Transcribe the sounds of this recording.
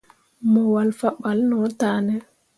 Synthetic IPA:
mɔwalfaɓalnɔtaːnɛ

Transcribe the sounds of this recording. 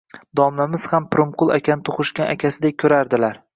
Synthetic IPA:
d̪ɒmlamɪz̥hampʰɪɾʊmqʰʊlˠakʲanɪt̪ʰoχɨʃkʲanʔakʲʰasɪd̪ekʲʰːɵɾaɾd̪ɪlaɾ

